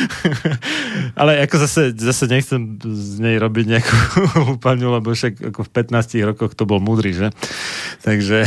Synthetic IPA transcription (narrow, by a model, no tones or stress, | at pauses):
ʔa̰lɛakɔzasɛzasɛɲɛxt͡sɛmzɲɛjɾɔbiɟɲɛakʰupaɲulɛbɔʃaka̰kɔfpɛt̪naːsciɣɾɔkɔxt̪ɔbɔlmuːd̪ɾiʒɛt̪aɡʒɛ